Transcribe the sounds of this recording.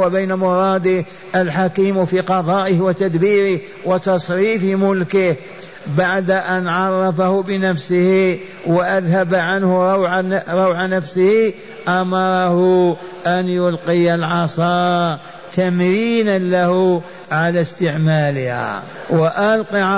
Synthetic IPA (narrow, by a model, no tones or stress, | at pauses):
wabajnamʊɾˤɑːd̪əh | ʔəlħakiːmfiqɑd̪ˤɑːʔɪhwat̪ad̪biːɾɪh | wat̪ɑsˤɾiːfmʊlkɪh | baʕd̪aʔanʕɑrˤːɑfahʊbənæfsɪhi | waʔaðhabaʕanhʊɾɑwʕaɾˤɑwʕanafsəhi | ʔɑmɑɾˤɑhʊ | ʔanjʊlqijalʕɑsˤɑː | t̪amɾiːnanlahʊ | ʕalast̪əʕmaːlɪha̰ | waʔɑlqi